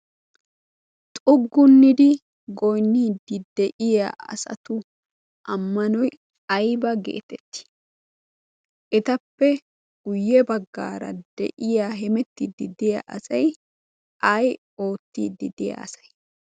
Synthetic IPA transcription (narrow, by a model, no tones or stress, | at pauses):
t̪ʼʊɡːʊnːɪd̪ɪ | ɡɔjnːiːd̪ɪd̪ɛʔɪjaɐ̰sɐ̰t̪ʊ | ʔɐmːɐnɔj | ɐjbɐɡḛːt̪ɛt̪ːɪ̥ | ʔɛt̪ɐpːɛ | ɡ̥ʊjːɛbɐɡːa̰ːɾɐ̰d̪̥ɛ̰ʔɪjaɦɛmɛt̪ːid̪ɪd̪ɪja̰ʔɐsɐj | ɐj | o̞ːt̪ːiːd̪ːɪd̪ɪja̰ɐsɐ̥j